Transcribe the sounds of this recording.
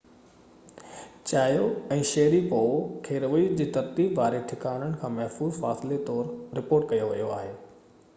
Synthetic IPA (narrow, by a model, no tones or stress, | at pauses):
t͡ɕaːjoɛ̃ːʃɛːɾipoːkʰeːɾʋəid͡ʑiːt̪ɐɾt̪iːbʋaːɾeʈʰɪkaːɽ̃əɽ̃̆kʰãːmɐɦfuːzfaːsɪlet̪ɔːɾɾɪpoːɾʈkɐjoʋɐ̰joa̰ːɦeː